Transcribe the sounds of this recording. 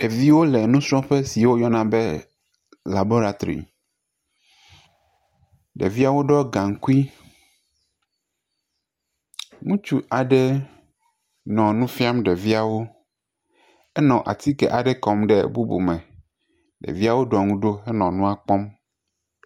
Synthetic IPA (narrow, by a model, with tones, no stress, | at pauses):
e˨vi˦wo˦lɛ˨nũ˦sɾɔ̃˦ɸe˦si˨wo˦jɔ˦nã˨be˦ | la˨bo˦ɾa˨t̪o˨ɾḭ˨ | ɖḛ˨vi˦a˦wo˦ɖɔ˦ɡã˨ŋ˨ku˦i˦ | ŋũ˦t͡ʃu˦ʔa˨ɖe˦ | nɔ̃˨nũ˦fi˦a˦mɖe˨vi˦a˨wo˦ | ɛ˦nɔ̃˨ʔa̰˨t̪i˦kɛ̰˨ʔa˨ɖɛ˦kɔ˨mɖɛ˨bu˦bo̰˨mɛ̃˨ | ɖḛ˨vi˦a˦wo˦ɖɔ˨ŋũ˦ɖo˦ɛ˦nɔ̃˨nũ˦a˦˨k͡pɔ˦m